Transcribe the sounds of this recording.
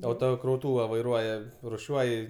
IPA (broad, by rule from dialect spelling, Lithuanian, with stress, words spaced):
ɐʊtoːkrɐʊˈtuːʋɐ ʋɐɪˈruɔjɛ rʊˈʃʲuɔj